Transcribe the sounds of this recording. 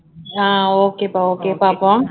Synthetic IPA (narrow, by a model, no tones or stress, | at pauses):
aokepaokepapɔŋ